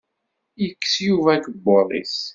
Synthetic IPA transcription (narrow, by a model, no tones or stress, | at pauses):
jəkːə̥sjuvækəbːoðˤḭs